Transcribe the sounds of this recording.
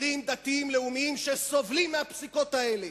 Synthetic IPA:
imd̪at̪iimle̞umiimʃeso̞vlimːeapsiko̞t̪ae̞le̞

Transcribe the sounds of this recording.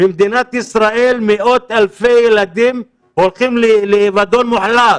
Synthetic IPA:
b̥emd̪inat̪isʁaʔelmeʔo̞t̪alfejelad̪im | holχimleːvad̪onmuħlat

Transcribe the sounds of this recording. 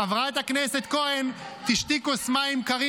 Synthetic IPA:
avʁaet̪aknɛsɛt̪koɛn | t̪iʃt̪ikusmaimkaʁi

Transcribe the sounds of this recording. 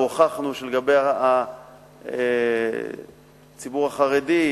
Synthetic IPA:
oχaχnuʃeleɡabeja | e | t͡sibuʁaχaʁedi

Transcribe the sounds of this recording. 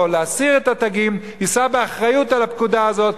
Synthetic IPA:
leasiʁet̪at̪aɡim | isabeaχʁajutalapkudaazo̞t

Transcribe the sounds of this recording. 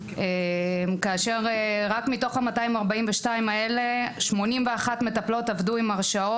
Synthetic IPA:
emkaːʃe̞ʁeʁakmito̞χhamataimaʁbaimveʃtaimae̞le̞ʃmo̞nimveaχatme̞taplo̞tavduimaʁʃao

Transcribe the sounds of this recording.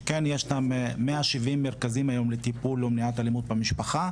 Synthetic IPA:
kenjeʃnammeaʃivimːeʁkazimajo̞mlet̪ipulomniat̪alimud̪̚bemiʃpaχa

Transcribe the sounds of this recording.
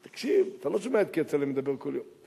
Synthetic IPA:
t̪ḁkʃivat̪aloʃumeet̪kt͡sɛlimed̪abeʁkoljom

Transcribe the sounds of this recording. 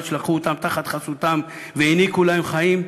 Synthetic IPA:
ʃlaχuot̪amt̪aχat̪χasut̪am | veinikulaemχaim

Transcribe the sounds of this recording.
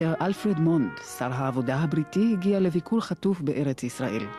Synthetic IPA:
eʁʔalfʁedmondsaʁɦaːvo̞daɦabʁitihiɡiale̞vikʰulχatufbeʔeʁet͡sisʁaʔḛl

